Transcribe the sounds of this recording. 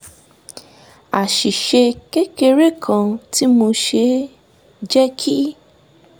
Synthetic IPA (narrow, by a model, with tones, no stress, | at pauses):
a˨ʃi˨ʃe˧ke˦ke˧ɾe˦˨kʰã˧ti˦mo˧ʃe˧ | d͡ʒɛ˦kʰi˦